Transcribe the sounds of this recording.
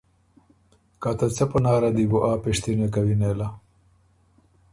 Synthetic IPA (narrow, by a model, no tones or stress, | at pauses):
kat̪at͡sepɐnaːɾad̪ibuʔaːpeʂt̪inekawinela